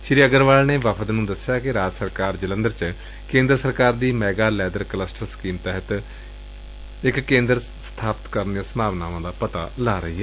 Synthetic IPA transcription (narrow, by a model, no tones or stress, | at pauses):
ʃɪɾiːəɡəɾʋaːlneːʋapʰəd̪nũːd̪əsːjaːkɪɾaːd͡ʒsəɾkaːɾd͡ʒələ̃nd̪əɾt͡ʃ | kẽːnd̪ɾəsəɾkaːɾd̪iːmɛːɡaːlɛːd̪əɾkləsʈəɾskiːmt̪ɛːɦət̪ | ɪkːẽːnd̪əɾ | st̪ʰaːpət̪kəɾnijãːsəmaːʋnaːʋãːd̪aːpət̪aːlaːɾəɦiːɦɛː